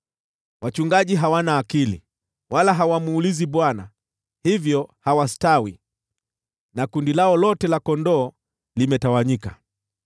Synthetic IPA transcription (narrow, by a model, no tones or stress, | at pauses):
wʔat͡ʃuŋɡaʄiɦawanaːkilḭ | walaɦawamuːliziɓwana | hivjɔhawastawi | nakundilaɔlɔtɛlakɔndɔː | limɛtawaɲika̰